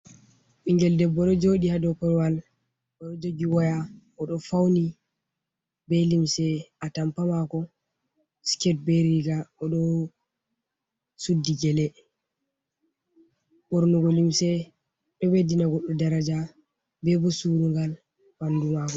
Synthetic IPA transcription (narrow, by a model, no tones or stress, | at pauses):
ʔiŋɡɛldɛbːɔɗɔd͡ʒoɗihadɔkɔɾwal | ɔɗɔd͡ʒoɡiwɔja | ɔɗɔfawni | bɛlimsɛʔatampamakɔ | skɛt̚bɛɾiɡaɔɗɔ | sudːiɡɛlɛ | ɓɔɾnɔɡɔlimsɛ | ɗɔwedinaɡɔɗːɔdaɾad͡ʒa | bɛbɔsuɾuŋɡal | bandumakɔ